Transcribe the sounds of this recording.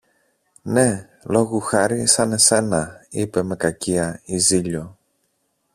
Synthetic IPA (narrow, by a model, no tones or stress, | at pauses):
ne̞ | lo̞ɣuxɐɾisɐne̞se̞nɐipe̞me̞kɐciɐiziʎo̞